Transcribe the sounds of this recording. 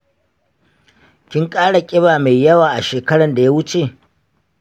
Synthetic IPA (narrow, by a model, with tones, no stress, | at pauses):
kʲɪ˦ŋkʼaː˦ɽa˨kʲʼɪ˦βaː˨ma˨jjɐ˦waː˨ʔa˨ʃeː˨kɐ˦ɽɐ˨nda˨ja˦wʊ˦t͡ʃe˦˨